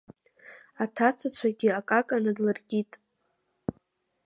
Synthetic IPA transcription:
atʰat͡sʰat͡ɕʷʰaɡʲɪakʼakʼanɨdlɨrɡʲitʼ

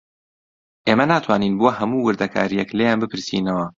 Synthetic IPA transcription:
ʔeːmɐnaːt̪ʰwaːniːnbohɐmuːwɨɾd̪ɐkʰa̰ːɾijɛkleːjaːnbɨpʰɨɾsḭːnɐwɐ

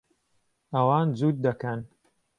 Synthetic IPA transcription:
ɐwɑːnd͡zuːt̪̚d̪ɐkɐn

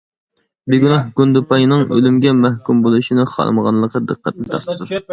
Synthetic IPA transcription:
bɪɡʲynɑhɡund̪upɑjnɨŋø̰lymɡʲɛmæhkʲumbolˠuʃinɨχɑ̰lˠməʁɑ̰nlˠəqəd̪əqːæt̪lɪt̪ʰɑɾt̪ʰɨt̪ʰuɾ

